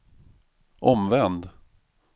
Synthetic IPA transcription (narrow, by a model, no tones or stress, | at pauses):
ʔɔmvɛnd̪